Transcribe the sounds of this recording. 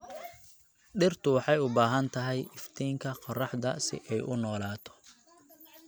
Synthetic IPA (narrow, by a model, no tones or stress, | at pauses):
ɖɪrt̪ʰʊwɑħɑjʊbaːɦɐnt̪ʰɐɦɛjʔɪft̪ʰiːŋkʰɐqɔrɑħd̪ɐsɪ̰ʔɛjʔʊnɔːlaːt̪ʰɔ̥